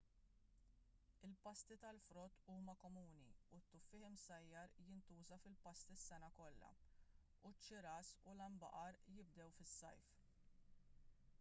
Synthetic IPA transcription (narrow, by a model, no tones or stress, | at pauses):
ɪlpɐst̪it̪ɐlfɾɔːt̪ːuːmɐkɔmuːniut̪ːʊfːɪħɪmsɐjːɐɾjɪnt̪uːzɐfɪlpɐst̪isːɛnɐkɔlːɐ̰ | ut͡ʃːɪɾɐːsʊlɐmbɐ̰ʔɐɾjɪb̚d̪ɛwfɪsːɐ̰jf